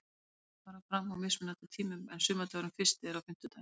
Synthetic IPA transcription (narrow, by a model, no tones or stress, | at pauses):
vaːɾafɾamawmɪsmɪnat̪at̪ʰiːmʏmɛnsʏːmat̪ʰœɾʏmfɪr̥st̪ɪɛɾawfɪm̥t̪ʏt̪ʰaj